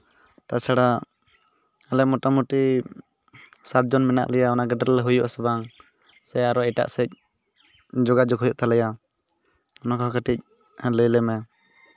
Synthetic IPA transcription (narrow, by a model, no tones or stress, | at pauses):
t̪at͡ʃaɽa | alɛmɔʈamuʈi | sat̪̚d͡ʒɔnmɛna̰ʔlɛjaɔnaɡɛɖɾlɛɦujɔʔsɛbaŋ | sɛaɾɔɛʈa̰ʔsɛc̚ | d͡ʒɔɡad͡ʒɔkɦujɔʔt̪alɛja | ɔnakʰɔkʰəʈic̚ | ləjlɛmɛ